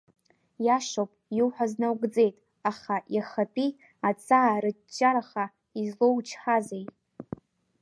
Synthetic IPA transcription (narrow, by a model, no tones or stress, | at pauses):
jaʂowpʼjuwħʷaznawɡd͡ze̞jtʼ | aχajaχatʼi | at͡sʼaːrɨ | t͡ʃʼːaɾaχa | izlo̞wt͡ʃʰħazej